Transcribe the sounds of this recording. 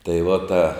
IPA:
tɐɪ ʋɐ ˈtɐ

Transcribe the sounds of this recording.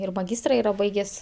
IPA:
ɪr mɐˈɡʲiːstrɐ ˈiːrɐ ˈbɐɪɡʲeːsʲ

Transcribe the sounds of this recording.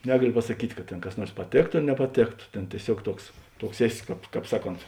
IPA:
ˈnʲæːɡɐlʲoː pɐsɐˈkʲiːtʲ kɐt ˈtʲeːn kɐs ˈnuɔrs pɐˈtʲeːktoː ɐr nʲɛpɐˈtʲeːktoː ˈtʲeːn tʲiɛˈsʲuɔk ˈtuɔks ˈtuɔks ˈæːˌsʲɪ ˈkɑːp ˈkɑːp ˈsɑːˌkoːnt

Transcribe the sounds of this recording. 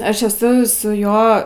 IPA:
ˈɐʃ ɛˈsʊ sʊˈjoː

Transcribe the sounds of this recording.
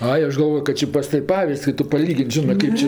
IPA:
ˈɐɪ ˈɐʃ ɡɐlˠˈʋoːjoː kɐt ˈt͡ʃʲɪ pɐs ˈtɐw ˈpɑːʋʲɪsʲtʲsʲ ɪ ˈtʊ pɐˈlʲiːɡʲɪnʲtʲ ˈʒʲɪnɜ ˈkɐɪp t͡ʃʲɪ

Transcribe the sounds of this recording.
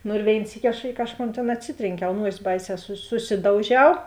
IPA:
ˈnʊ ɪr ˈʋʲeːɪn ˈsʲiːkʲɪ ɐʃ ˈɪ kɐʃˌkoːn tʲeːn ɐtʲˈsʲɪtʲrʲeːŋʲˌkʲɛʊ ˈnuɔsʲɪ ˈbɐɪˌsʲɛː sʊ sʊˈsʲɪdɐʊˌʒʲɛʊ

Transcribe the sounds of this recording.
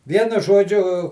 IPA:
ˈʋʲiɛnʊ ˈʒoːd͡ʒʲʊ

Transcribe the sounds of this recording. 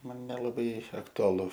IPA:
ˈmɐn nʲɛlˠɐˈbɐɪ ɐktʊɐˈlˠʊ

